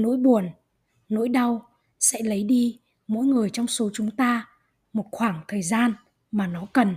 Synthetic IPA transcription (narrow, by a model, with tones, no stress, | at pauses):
no̰˧˥jɓu˨˩ənː | o̰˧˥jɗa˧w | sɛ̰˧˥lə˨˦jɗi˧ | mo̰˧˥jŋɨ˨˩əjt͡ɕɔ˧wŋ͡mso˨˦t͡ɕʊ˨˦ŋ͡mt̪aː˧ | mo˨˩t̚xwaː˧˩ŋt̪ʰəː˨˩jzaː˧n | maː˨˩nɔ˨˦kə˨˩n